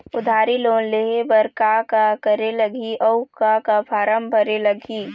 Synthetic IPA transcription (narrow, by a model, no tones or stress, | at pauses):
ʊd̪ʱaːɾiloːnleɦebɐɾkakakəɾelɐɡiʔɔʊkakapʰaːɾəmbʱəɾelɐɡʱiː